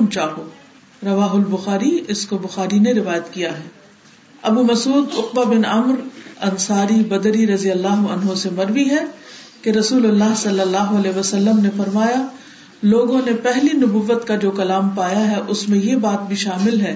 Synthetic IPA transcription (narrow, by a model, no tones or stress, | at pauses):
mt͡ʃaːɦoː | ɾɐʋaːɦʊlbʊxaːɾiɪskobʊxaːɾineɾɪʋaːjət̪kijaɦɛː | ɐbumɐsuːd̪ʊq̚babɪnɐmɾɐnsaːɾibɐd̪ɾiɾɐzijəlːaːɦʊɐ̰nɦõsemɐɾʋiɦɛkeɾɐsuːlʊlːaːɦsɐlːəlːaːɦoɐlɛːʋɐsɐlːəmnefɐɾmaːja | loːɡõnepɛɦlinʊbuʋːət̪kad͡ʒoːkɐlaːmpaːjaɦɛʔʊsmẽjebaːt̪̚bʱiʃaːmɪlɦɛː